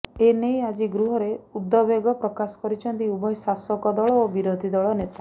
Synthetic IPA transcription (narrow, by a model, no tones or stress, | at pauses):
enejad͡ʒiɡɾuɦɔɾeud̪ːɔbeɡɔpɾɔkasɔ̥kɔɾit͡ʃʰɔnt̪iubɔjsasɔkɔd̪ɔɭɔobiɾod̪ʱid̪ɔɭɔnet̪a